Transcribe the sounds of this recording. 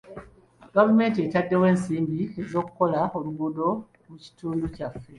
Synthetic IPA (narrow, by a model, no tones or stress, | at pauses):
ɡavume̞ːntietadːe̞we̞ːnsiːmbiezo̞ːkuko̞laomuɡudo̞ | wuci̥tuːnducafːe